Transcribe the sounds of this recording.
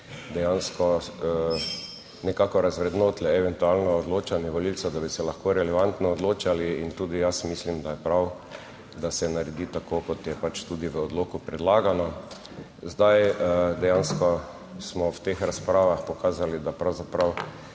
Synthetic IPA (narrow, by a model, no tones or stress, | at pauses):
d̪ɛjanskɔ | nɛkakɔɾazʋɾɛd̪not̪lɛɛʋɛnt̪ualnɔːd̪loːt͡ʃanjɛʋɔlilsad̪abisɛlaxkoɾɛlɛʋant̪nɔːd̪loːt͡ʃaliint̪uːd̪ijasmislimd̪ajɛpɾaw | d̪asɛnaɾɛd̪it̪akoːkɔt̪jɛpat͡ʃt̪ud̪iʋəɔd̪loːkupɾɛd̪laːɡanɔ | zd̪ajd̪ɛjanskɔ | smɔwt̪eːxɾaspɾaːʋaxpɔkaːzalid̪apɾawzapɾaw